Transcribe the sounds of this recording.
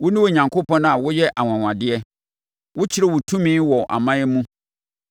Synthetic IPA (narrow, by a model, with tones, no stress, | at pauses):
wʊ˦nʊ̃˦wʊ˦ɲã˨ŋkʰo˦pɔ̃˦n˦a˨wʊ˦jɛ˦ʔa˨wã˨wã˨dɪ˦ɛ˦ | wʊ˦t͡ɕʰɪ˦ɾɛ˦wʊ˨tʰũ˦mĩː˦wɔ˨ʔa̰˨mã˦jɛ˦mũ˦